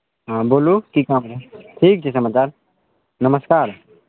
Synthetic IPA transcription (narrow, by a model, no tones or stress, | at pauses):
ɦãboːlukikaːmɾeʈʰiːk̚t͡ʃʰesɐmaːt͡ʃaːɾ | nəməskaːɾ